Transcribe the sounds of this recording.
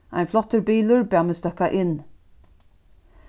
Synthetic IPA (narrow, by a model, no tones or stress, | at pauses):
ʔæ̰ɪnflɔt̪əɾbiːlʉɹbæːmeːst̪œkɑʔɪn